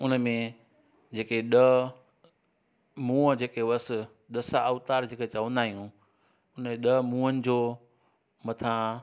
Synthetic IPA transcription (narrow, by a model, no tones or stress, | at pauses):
ʊnəmẽ | d͡ʑeːkeɗə | mũːəd͡ʑeːkeʋɐs | ɗ̪ɐsaəʋt̪aːɾd͡ʑeːket͡ɕɐʋə̃nd̪aːɦijũ | ʊnẽɗəmũːənɪ̆d͡ʑoː | mɐt̪ʰã